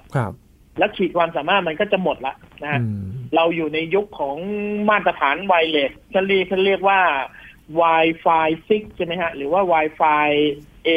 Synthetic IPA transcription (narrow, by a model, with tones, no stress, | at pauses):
kʰ | lɛː˦˥wkʰiː˨˩t̪̚kʰwaː˧msaː˩˦maː˥˩t̪̚ma˧nkɔː˥˩t͡ɕa˨˩mo˨˩t̪̚la˦ʔna˦˥ha˦˥ɾa˧wjuː˨˩na˧jːu˦˥kʰːɔː˩˦ŋmaː˥˩t̪ːɾa˧t̪ʰaː˩˦nwaː˧jleː˧˩kʰa˥˩nɾi˥˩k̚kʰaː˥˩nɾi˥˩ək̚waː˥˩ | waː˧jfaː˧jsi˦˥k̚t͡ɕʰa˥˩ma˦˥jkʰa˦˥ʔɾɯː˩˦waː˥˩waː˧jfaː˧jʔeː˧